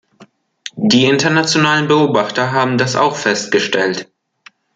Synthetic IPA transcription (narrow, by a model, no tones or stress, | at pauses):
d̥iːɪntɐnat͡sjonaːlənbəoːbaχtɐɦaːbm̩dasa̰ʊxfɛst̚ɡ̥əʃtɛlt